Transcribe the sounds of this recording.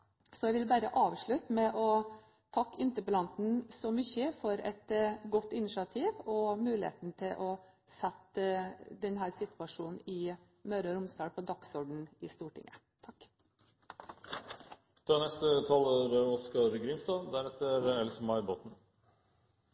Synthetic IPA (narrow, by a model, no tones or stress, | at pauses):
sɔɛɪʋɪlbæːɾəʔɑːʋʂɭʉt̪mɛʔɔ | t̪ʰɑkːɪnt̪əplɑnt̪n̩sɔmʏçəfɔɾɛ̰t̪ɡɔt̪ːɪnɪʂɑt̪ʰiːʋɔmʉːlɪḛːt̪nt̪ʰɪlʔɔsɛt̪ː | d̪ɛnɦæːɾsɪt̪ʋɑʂuːnɪ | mœːɾɑɾʊmst̪ɑːɽpʰɔd̪ɑksɔɖɳ̩ɪst̪uːʈɪ̰ŋə | t̪ʰɑkː | t̪ʰɑːnɛst̪ət̪ʰɑloːɾəɔskɑɾɡɾɪmst̪ɑːd̪æɾɛt̪ːəɾɛlsəmɑɪboːt̪n̩